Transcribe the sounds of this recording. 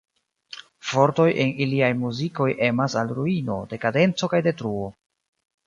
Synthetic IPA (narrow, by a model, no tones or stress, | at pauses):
fo̞ɾto̞je̞niliajmuziko̞jʔe̞masalɾuino̞de̞kade̞nt͡so̞kajde̞tɾuo̞